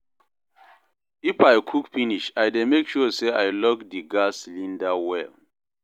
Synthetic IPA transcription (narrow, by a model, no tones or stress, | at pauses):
ifajkʰukfiniʃajdemekʃuseʔajlɔkdiɡaslĩndawɛ